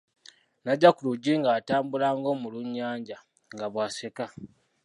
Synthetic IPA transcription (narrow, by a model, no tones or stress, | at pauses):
naɟːakuluɟiːŋɡaːtaːmbulaːŋɡo̞ːmuluɲːaːɲɟa | ŋɡaβwaːseka